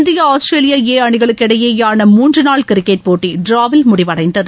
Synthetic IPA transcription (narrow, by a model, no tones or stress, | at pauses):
nd̪ɪjɐaːsʈɾeːlɪjaːeːɐɳɪɣɐɭɯkːɪɽɐjeːjaːnɐmuːndrɯnaːɭkɪɾɪkːeɪʈ̚poːʈːiɖɾaːʋɪlmʊɽɪʋɐɽɐɪnd̪ɐðɯ